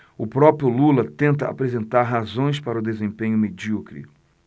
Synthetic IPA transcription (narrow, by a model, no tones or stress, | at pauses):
ʊpɾɔpɾjʊlulɐt̪ẽnt̪ɐa̰pɾezẽnt̪aɾɦazõj̃spaɾɐʊd̪ezẽpẽɲʊmed͡ʒiukɾḭ